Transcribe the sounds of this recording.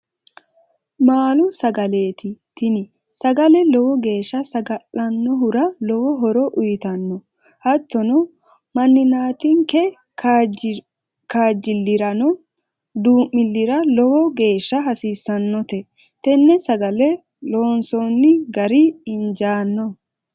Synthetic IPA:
maːlʊsɐɡɐle̞ːt̪ɪt̪ɪnɪ | sɐɡɐlɛlɔwɔɡe̞ːʃːɐsɐɡɐʔːɐnːɔɦʊɾɐlɔwɔɦɔɾɔʔʊjɪt̪ɐnːɔ | hɐt̪ːɔnɔ | mɐnːɪnaːt̪ɪŋkɛ | kaːd͡ʒːɪlːɪɾɐnɔ | d̪uːmːɪlːɪɾɐlɔwɔɡe̞ːʃːɐɦɐsiːsːɐnːɔt̪ɛ | t̪ɛnːɛsɐɡɐlɛ | loːnsɔnːɪɡɐɾɪɪnd͡ʒaːnːɔ

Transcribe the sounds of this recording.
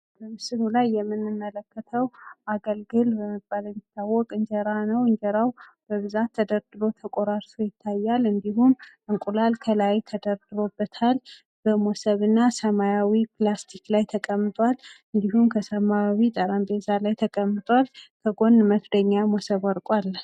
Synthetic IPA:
bəmsɨnulajːɛmːɨnːɨmːələkːət̪ʰəwʔaɡəlɡɨlbəməɡ̚bʼaləmit̪ʰːawːɔkʼɨɲd͡ʒɛɾanəwɨɲd͡ʒəɾawb̥əβɨzat̪ʰːəd̪əɾd̪ɨɾo̞t̪ʰəkʼoɾaɾsʰojɪt̪ʰːajːalɨnd̪ihumʔɨŋkʼulalkʰəlajt̪ʰəd̪əɾd̪ɨɾo̞bːət̪ʰal | b̥əmosəβɨnːasəmajawiplast̪ʰiklajt̪ʰəkʼəmːɨt̪ʼwalɨnd̪ihumkʰəsəmajawit̪ʼəɾambezalajt̪ʰəkʼəmːɨt̪ʼwalkʰəɡo̞nməfd̪əɲːamosəβɔɾkʼwal

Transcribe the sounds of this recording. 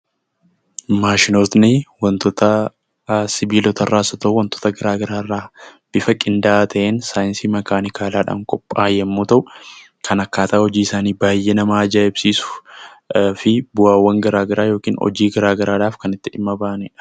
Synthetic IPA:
maːʃɪnoːt̪nɪwɐnt̪ɔt̪ɐ | sɪbiːlɔt̪ɐrːaːsɔt̪oːwɐnt̪ɔ̥t̪ɐɡɐɾaːɡɐɾaːrːaːb̥ɪfɐkʼɪnd̪ɐʔaːt̪ʰɐʔeːnsaːjɪnsiːmɐɡaːnɪkaːlaːᶑa̰ːŋkʼɔpʼːaːjɛmːuːt̪ɐʔʊ | kʰɐnɐkːaːt̪ɐʔɔd͡ʒiːɪsaːniːbaːjːenɐmaːd͡ʒaːɪbsiːsʊ̥ | fɪbʊaːwːɐŋɡɐɾaːɡɐɾaːjo̞ːkiːnɔ̰d͡ʒiːɡɐɾaːɡɐɾaːᶑaːfkɐnɪt̪ːɪᶑɪmːɐbaːʔnɛ

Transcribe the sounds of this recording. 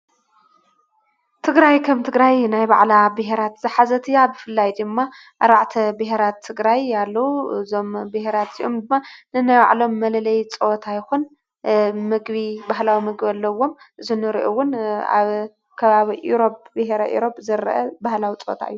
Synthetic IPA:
t̪ʰɨɡɾajkʰɐmt̪ʰɨɡɾajnajba̰ʕlabɨɦeɾat̪z̥ɨħazɐt̪ʰɨjabɨfɨlːajd̪ɨmːa | ʔaɾaʕt̪ʰɐbɨɦeɾat̪ʰːɨɡɾajalːɐwuzo̞mbɨheɾat̪ḭʔo̞md̪ɨmːanɨnajba̰ʕlo̞mːɐlɐlɐjt͡sʼɐot̪ʰajɪxun | mɨɡβibaɦlawimɨɡbɐlːɐwːo̞m | ʔɨzunɨɾiʔowʊna̰β | kʰɐβaβiʔuɾo̞p̚bɨheɾɐʔṵɾo̞pʼzɐɾɐ̰ʔɐbahlawit͡sʼoo̰t̪ʰa̰ɨjːu

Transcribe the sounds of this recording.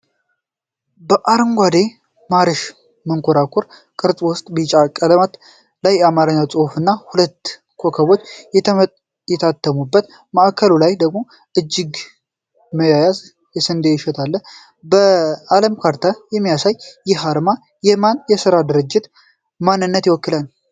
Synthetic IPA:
bəʔaɾɨŋɡʷad̪e̞ | maɾɨʃ | məŋkʰoɾakʰʊɾ | kʼɨɾt͡sʼwʊst̪ʼbit͡ʃʼakʼələmat̪ | lajːɛamaɾɨɲːawt͡sʼohfɨnːahulət̪ː | kʰo̞kʰəβo̞t͡ʃː | jɛt̪ʰat̪ʰːəmubːət̪ | məʔakʰəlulajd̪əɡmo̞ | ʔɨd͡ʒːɪɡ | məjajaz | jɛsɨnd̪eɪʃɛt̪ʰalːə | bəaləmkʰaɾt̪ʰajɛmːijasajːɛɦaɾma | jɛmanjɛsɨɾad̪ɨɾɨd͡ʒːɪt̪ | manːɨnːət̪jwɔkːɨlan

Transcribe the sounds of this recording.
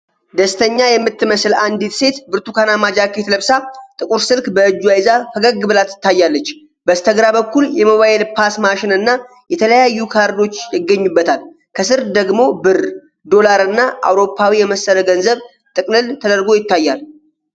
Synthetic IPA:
d̪əst̪ʰəɲːajɛmːɨt̪ːɨməsland̪it̪se̞t̪bɨɾt̪ʰukʰanamad͡ʒakːet̪ʰləβsat̪ʼɨkʼuɾsɨlkbəɨd͡ʒːuajzafəɡəɡːɨbɨlat̪ɨ̥t̪ʰːajːalːət͡ʃː | bəst̪ʰəɡɾabəkːuljɛmoβajɛlpʰasmaʃɪnɨnːa | jɛt̪ʰələjajːukʰaɾd̪o̞t͡ʃːjɪɡːəɲːubːət̪ʰal | kʰəsɨɾd̪əɡmo̞bɨr | d̪o̞laɾɨnːaʔa̰wɾo̞pʰːawijɛməsːəɾəɡənzəβ | t̪ʼɨkʼnɨlt̪ʰəd̪əɾɡo̞jɪt̪ːajːal

